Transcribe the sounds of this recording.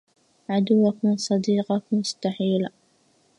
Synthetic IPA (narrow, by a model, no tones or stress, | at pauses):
ʕad̪ʊwːakmɪnsˤɑd̪iːqɑkmʊst̪aħiːl